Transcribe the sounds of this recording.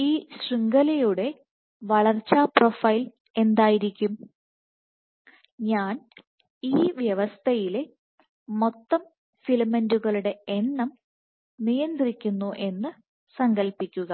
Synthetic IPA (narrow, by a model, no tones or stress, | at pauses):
iːɕriŋɡɐlɐjuɽe̞ | ʋɐɭɐrt͡ɕːaːpro̞fɐjl | e̞nd̪aːjiɾikʲːum | ɲaːn | iːʋjɐʋɐst̪ʰɐjile | mo̞t̪ːɐm | filmːɐnduɣɐɭuɽe̞enːɐm | nijɐnd̪rikʲːunːuʔe̞nːɨ | sɐŋɡɐlpikʲːuɣɐ